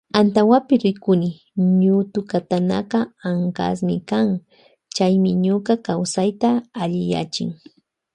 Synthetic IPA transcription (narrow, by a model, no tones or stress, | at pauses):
ant̪awapɪɾɪkʊnɪ | ɲʊt̪ʊkat̪ana̰qɑaŋka̰s̬mɪkaŋ | t͡ʃajmɪɲoqɑkawsajt̪aːʎɪja̰t͡ʃɪ̰ŋ